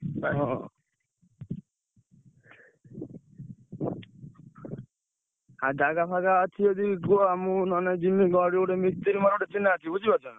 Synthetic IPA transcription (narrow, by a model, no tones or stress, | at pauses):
ɦɔ̃ | ad͡ʒaɡapʰaɡaːt͡ʃʰied̪iɡoamũnɔned͡ʒimːiɡɔɽioʈemit̪iɾimaɾoʈet͡ʃinːaːt͡ʃʰibud͡ʒibad͡ʒɔna